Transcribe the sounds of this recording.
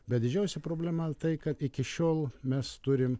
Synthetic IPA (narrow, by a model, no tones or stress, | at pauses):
bʲɛt̪d̪ʲɪd͡ʒʲɛʊsʲɛpɾoːbʲlʲæmɐt̪ɐɪkɐt̪ɪkʲɪʃʲoːlˠmʲɛst̪ʊɾʲɪm